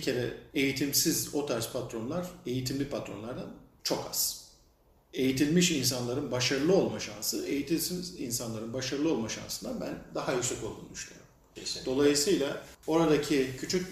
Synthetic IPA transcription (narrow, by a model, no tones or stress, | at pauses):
cʰe̞ɾɛejit̪ʰimsizo̞t̪ʰaɾspʰat̪ɾo̞nlˠaɾ̥e̞jit̪ʰimlʲipʰat̪ɾo̞nlˠaɾd̪ant͡ʃʰo̞kʰa̰z̥ | e̞jit̪ʰilʲmiʃinsanlˠaɾɯnbaʃaɾɯlˠɯo̞lˠmaʃansɯe̞jit̪ʰilʲsimizinsanlˠaɾɯnbaʃaɾɯlˠɯo̞lˠmaʃa̰nsɯnd̪abæ̰nd̪aɦajysɛkʰolˠd̪ṵnd̪yʃlʲˠeo̰ɾm | d̪o̞lˠajɯsɯjlˠao̞ɾad̪acʰicʰyt͡ʃʰyc̚